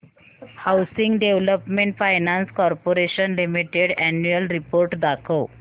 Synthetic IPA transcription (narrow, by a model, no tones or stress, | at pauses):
hawsiŋɡɖeʋləpmẽɳʈfajnãnskɔɾpoɾeɕənlimiʈeɽɛnjuəlɾipoɾʈd̪akʰəw